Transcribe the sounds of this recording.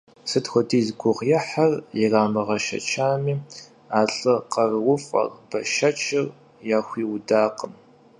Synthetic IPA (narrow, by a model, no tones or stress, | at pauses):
sɨtxʷɔdiːzɡʷʊʁjɛħarjɪraːmɐʁɐʃɐ̰t͡ʃʰaːmiː | aːɬʼɨqɐrwʷʊfʼɐ̰rb̥ɐʃɐt͡ʃʰɪr | jaːxʷiːwdaːqəm